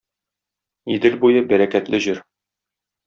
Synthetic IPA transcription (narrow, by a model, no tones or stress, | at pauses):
id̪ɘlbujɤbæɾækæt̪lɘʑɘɾ